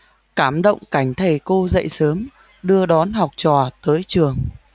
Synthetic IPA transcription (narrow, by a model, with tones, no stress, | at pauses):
kaː˧˩mɗə̰˧˨wŋ͡mka˧˩jŋ̟t̪ʰə˨˩jko˧zə̰˧˨jsəː˨˦m | ɗɨ˧əɗɔ˨˦nɦa˨˩wk͡p̚t͡ɕɔ˨˩t̪əː˨˦jt͡ɕɨ˨˩əŋ